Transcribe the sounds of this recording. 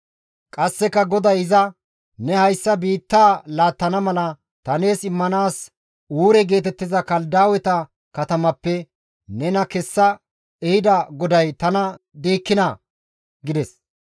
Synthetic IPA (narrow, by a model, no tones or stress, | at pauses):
kʼɐsːɛkːɐɡɔd̪ɐjɪzɐ | nɛhɐjsːɐbiːt̪ːaːlaːt̪ːɐnɐmɐlɐ | t̪ɐne̞ːsɪmːɐnaːs | uːɾɛɡe̞ːt̪ɛt̪ːɪzɐkɐld̪aːwɛt̪ɐ | kɐt̪ɐmɐpːɛ | nɛnɐkɛsːɐ | ɛhɪd̪ɐɡɔd̪ɐjt̪ɐnɐ | d̪eːkːɪnɐ | ɡɪd̪ɛs